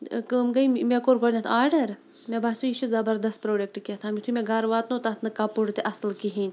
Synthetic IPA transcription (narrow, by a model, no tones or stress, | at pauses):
kəmɡɐimekoːɾɡonʲat̪ʰaːɾɖɐɾ | mʲebaːsuiʃuzɐbɐɾd̪ɐst̪̚pɾoːɖek̚ʈket̪ʰaːmʲit̪ʰumʲeɡɐɾʋaːt̪noːt̪ɐt̪nɨkɐpuɽt̪eʔɐslkiɦinʲ